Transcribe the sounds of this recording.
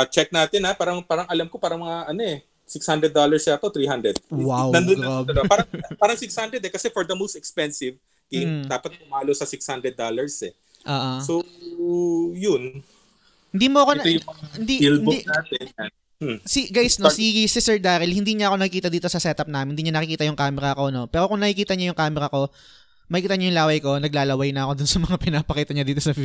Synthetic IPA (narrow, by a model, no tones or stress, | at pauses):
ɐt͡ʃɛk̚naːt̪ɪnapaːɾɐŋpaːɾɐŋʔɐlamkopaːɾɐŋmɐŋaʔɐnoʔɛ | sɪkshand̪ɾɛd̪ːolɐɹsjat̪ot̪ɾiːhand̪ɾɛd̪̚wawnɐnd̪ob̪ɐlbapaːɾɐŋpaːɾɐŋsɪkshand̪ɾɛd̪ɛkɐsɛfɔɹd̪ɐmowst̪ɛkspɛnsɪv | ɡemd̪aːpɐt̪̚pʊmaːlosɐsɪkshand̪ɾɛd̪̚ːalɐɹsɛ | ʔoːʔoso | jʊn | hɪnd̪iːmoʔɐkoɛojhɪnd̪iild̪aːt̪ɛ | siɡajsnosisisɛɹd̪aːɾɪlhɪnd̪iːɲɐɐko̞nɐkɪkiːt̪ɐd̪iːt̪o̞sɐsɛt̪ɐp̚naːmɪnd̪iːɲɐnɐkɪkiːt̪ɐjʊŋkaːmɛɾɐɐko̞no̞pɛːɾo̞kʊŋnɐkɪkiːt̪ɐɲajʊŋkaːmɛɾɐko̞ | mɐkɪkiːt̪ɐɲajʊŋlaːwɐjko̞nɐɡlaːlɐwɐjnɐɐko̞d̪ʊnsɐmɐŋapɪnaːpɐkiːt̪ɐɲɐd̪iːt̪o̞sɐv